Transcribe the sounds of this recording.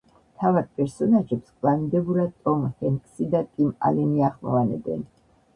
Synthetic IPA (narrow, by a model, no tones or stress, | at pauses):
mt̪ʰavaɾ̚pʼɛɾsɔnaʒɛpskʼlanid̪ɛbuɾat̪ʼɔmhɛnkʼsid̪at̪ʼima̰lɛniaχmɔ̰vanɛ̰bɛ̰n